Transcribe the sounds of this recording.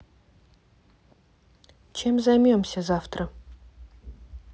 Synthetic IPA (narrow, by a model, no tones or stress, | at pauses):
t͡ʃʰe̞mzɐjmʲomsʲɐzaft̪ɾə